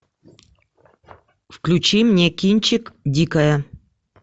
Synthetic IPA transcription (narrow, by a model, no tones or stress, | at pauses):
fklʲʉt͡ɕimnʲekʲinʲt͡ɕɪkdʲikɐjə